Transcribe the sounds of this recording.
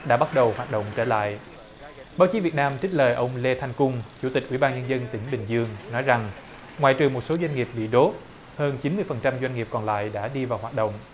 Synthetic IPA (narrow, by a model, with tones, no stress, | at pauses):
ɗa̰ː˧˥ɓa˦˥t̚ɗə˨˩whwaː˨˩t̚ɗo̰˧˨wŋ͡mt͡ɕəː˧˩la̰ː˧˨j | ɓaː˨˦wt͡ɕi˨˦vət̚naː˧mt͡ɕï̟˦˥ləː˨˩jʔə˧wŋ͡mle˧t̪ʰa˧jŋkʊ˧ŋ͡mt͡ɕu˧˥t̪i˨˩k̟̚ʔwi˧˩˦ɓaː˧nɲə˧nzə˧nt̪ï˨˩˦ŋ̟ɓï˨˩ŋ̟zɨ˧əŋnɔ˨˦jza˨˩ŋ | ŋwaː˧˨jt͡ɕɨ˨˩ŋmo˨˩t̚so˨˦zwa˧jŋ̟ŋi˨˩əp̚ɓḭ˧˨ɗo˦˥t̚ | həː˧nt͡ɕi˨˦nmɨ˧əjfə˨˩nt͡ɕa˧mzwa˧jŋ̟ŋi˨˩p̚kɔ˨˩nla̰ː˧˨jɗa̰ː˧˥ɗi˧vaː˨˩whwaː˨˩t̚ɗə̰˧˨wŋ͡m